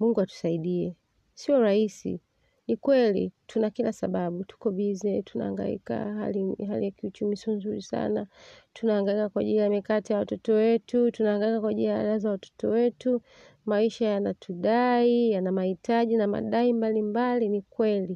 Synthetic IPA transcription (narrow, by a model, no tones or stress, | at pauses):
muŋɡuatu̥saiɗiɛ | siɔɾahisḭ | nikwɛlḭtʰunakilasaɓaɓutu̥kɔvizɛtuna̰a̰ŋɡa̰ḭka̰ha̰liɦa̰lijakiut͡ʃumisiɔnzuɾisa̰natunaːŋɡaikakwaʄilijamikatijawatɔtɔwɛtutunaːŋɡaikakwaʄiliaa̰lazawatɔ̥tɔwɛtu | maiʃajanatʰuɗaijanamahitaʄinama̰ɗaimbalimbalinikwɛli